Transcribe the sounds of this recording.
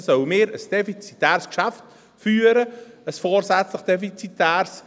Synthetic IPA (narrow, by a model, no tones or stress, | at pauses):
sœwmɪːɾəsd̥ɛfit͡sitæːɾskʃæft | fyːəɾəəsfɔːɾsæt͡sləχd̥̪ɛfit͡sit̪æːrs